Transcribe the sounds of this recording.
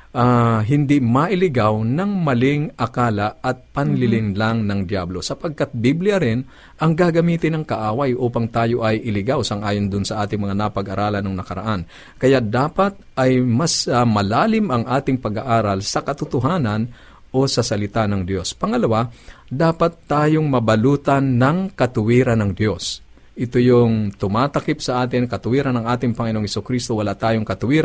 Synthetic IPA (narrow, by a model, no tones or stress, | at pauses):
ʔaɦɪnd̪imɐʔɪlɪɡawnɐŋmɐlɪŋʔɐkaːlɐʔɐt̪̚pɐnlɪlɪŋlaŋnɐŋd̪jablo̞sɐpɐɡ̚kat̪̚biblɪjɐɾɪn | ʔɐŋɡaɡɐmiːt̪ɪnɐŋkɐʔaːwɐjʔuːpɐŋt̪aːjo̞ʔɐjʔɪlɪɡawsɐŋʔaːjond̪ʊnsɐʔaːt̪ɪŋmɐŋanɐpɐɡʔɐɾʔaːlɐnɐŋnɐkɐɾɐ̰ʔan | kɐjad̪aːpɐt̪̚ʔɐjmɐsmɐlaːlɪmɐŋʔaːt̪ɪŋpɐɡaʔaːɾɐlsɐkɐt̪ʊt̪ʊɦaːnɐn | ʔo̞sɐsɐlɪt̪anɐŋd̪jo̞spɐŋɐlɐwad̪aːpɐt̪ːaːjoŋmɐbɐluːt̪ɐnːɐŋkɐt̪ʊwiːɾɐnɐŋd̪jo̞s | ʔɪt̪ojoŋt̪ʊmaːt̪ɐkipsɐʔaːt̪ɪŋkɐt̪ʊwiːɾɐnɐŋʔaːt̪ɪŋpɐŋɪnoŋhɛsʊkɾist̪owɐlat̪aːjoŋkɐt̪ʊwiːɾ